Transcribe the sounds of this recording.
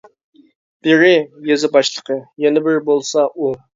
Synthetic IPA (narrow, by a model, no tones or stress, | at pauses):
b̥ɪɾɪjezɪbɑʃlˠəqʰəjɛnɪbɪɾbolˠsɑʔu